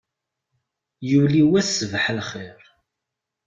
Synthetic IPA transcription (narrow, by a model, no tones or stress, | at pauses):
juliwæsəvħlχɪɾ